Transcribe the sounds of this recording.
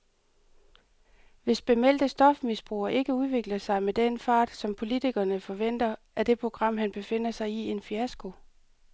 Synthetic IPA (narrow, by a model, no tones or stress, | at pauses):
ʋe̝sb̥e̝mel̰d̥əsd̥ɒ̽fmisb̥ʁṵːɐʔe̝ɡ̥əuð̞ˠʋe̝ɡ̥lɐsɑ̈ɪmed̥enfɑ̰̈ːd̥sɒ̽mpʰo̝lit͡sʰiɡ̥ɐnəfɒ̽ʋen̰d̥ɐʔæd̥e̝pʰʁo̝ɡ̥ʁɑ̈m̰ɦænb̥e̝fe̝n̰ɐsɑ̈ɪie̝nfiæsɡ̥o̝